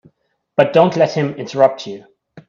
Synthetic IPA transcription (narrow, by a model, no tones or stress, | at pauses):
b̥ʌt̚d̥õʊ̃nʔlɛt̚hɪ̃mɪ̃ntʰəɹʌp̚t͡ʃʉ